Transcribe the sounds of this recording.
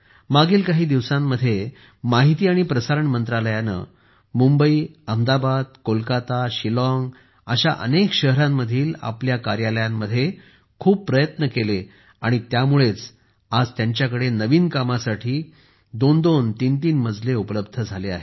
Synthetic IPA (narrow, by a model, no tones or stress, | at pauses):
maɡiːlkaɦiːd̪iʋsamːəd̪ʱje | maɦit̪iːaɽ̃ipɾəsaɾəɳmənt̪ɾaləjanə̰ | mumbəiːəmd̪abad̪̚kolkat̪aɕilɔŋɡ | əɕa̰ʔə̰nekɕəɦəɾamːəd̪ʱiːla̰pljakaɾjaləjamːəd̪ʱje | kʰuːbpːɾəjət̪nəkele | aɽ̃it̪jamuɭet͡s | ad͡zt̪jaɲt͡ɕjakəɽenəʋiːnkamasaʈʰiː | d̪ond̪ont̪int̪iːnməd͡zʱleupələbd̪ʱəd͡zʱalea̰ɦe